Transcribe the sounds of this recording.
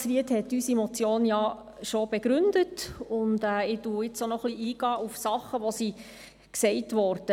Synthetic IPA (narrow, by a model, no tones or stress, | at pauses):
sʋiəthɛtːysimɔt͡sjoːnjɑ | ʃob̥ɛɡɾʏndətʊndɛːɪtuɪt͡sonɔχliʔiːɡ̥ɑːʔufsɑχəʋosi | ksɛɪtʋɔɾd̥ə